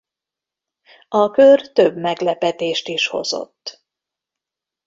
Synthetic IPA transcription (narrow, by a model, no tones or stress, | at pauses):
ɒkørt̪øbmɛɡlɛpɛt̪eːʃt̪iʃho̞̰zo̰t̪ː